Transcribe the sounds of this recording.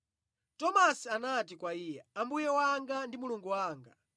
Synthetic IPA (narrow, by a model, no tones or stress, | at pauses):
tɔmasianatikwaiːjɛambujɛwaŋɡandimuluŋɡuwaːŋɡa̰